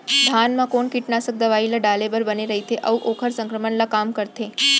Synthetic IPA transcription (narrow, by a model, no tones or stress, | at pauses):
d̪ʱanmãkoɳkiʈnasək̚d̪əʋailaɖalebəɾbəneɾəɦit̪ʰeʔəʋuʔokʰəɾsə̃ŋkɾəməɳlakamkəɾt̪ʰe